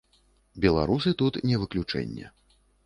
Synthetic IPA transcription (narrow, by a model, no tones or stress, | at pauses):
bʲɛlˠa̰ɾusɨt̪ut̪nʲɛvɨklʲut͡ʂɛ̰nʲːɛ̰